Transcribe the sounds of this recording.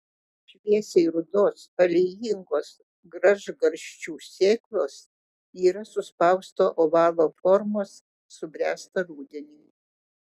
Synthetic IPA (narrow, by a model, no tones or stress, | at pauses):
ʃʲʋʲiɛsʲeɪɾʊd̪oːsɐlʲɛjɪŋɡoːs | ɡɾɐʒɡɐɾʲʃʲt͡ʃʲuːsʲeːklˠoːs | iːɾɐsʊspɐʊst̪oːʔoːʋɑːlˠoːfɔɾmoːsː | ʊbʲɾʲæːst̪ɐɾuːd̪ʲɛnʲi